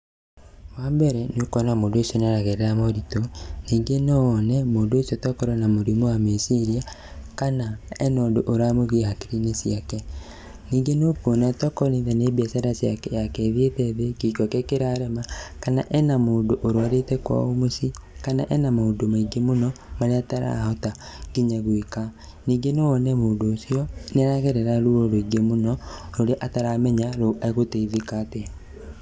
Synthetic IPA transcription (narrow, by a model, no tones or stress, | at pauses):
waːmbɛɾɛnokɔnamoːndosiɔneaɾaɣeɾeɾamɔɾitoniːŋɡenɔːnɛmoːndoosiɔtɔkɔɾɔnamoɾimowamesiɾia | kanaɛnoːndoʔoɾamoɣehakiɾinesjakɛ | niːŋɡenokonatɔkɔneðɛnebiasaɾasjakɛjakɛðietɛðekikɔkɛkeɾaɾɛmakana̰ʔɛnamoːndoʔoɾoaɾetɛkwa̰omosikana̰ʔɛnamaondomaiɡemonɔmaɾeataɾa̰hɔta | ɡiɲaɣwika | niːɡenoːnɛmoːndoːsiɔneɾaɣɛɾɛɾaɾuɾoɾoiɡemonɔɾoɾeʔataɾamɛɲaɾoaeɣoteiðikate